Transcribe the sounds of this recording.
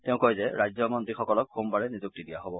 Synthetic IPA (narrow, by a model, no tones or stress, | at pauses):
tɛʊ̃kɔjzɛɹajzɔmɔntixɔkɔlɔkxumpaɹɛnizuk̚tidijaɦobɔ